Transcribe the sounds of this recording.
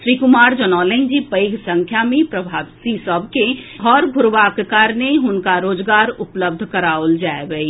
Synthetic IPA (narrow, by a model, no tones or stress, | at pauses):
ʃɾiːkʊmaːɾd͡ʒənɔːlə̃nd͡ʒipəɪɡsə̃ŋkʰjamẽpɾɐbʱaːʋsisəbʱkeɦɔːɾbʱʊɾʋaːkkaːɾneɦʊnkaɾoːd͡ʒɡaːɾʊpləb̚d̪ʱkɐɾaːʊld͡ʒaːeʋəi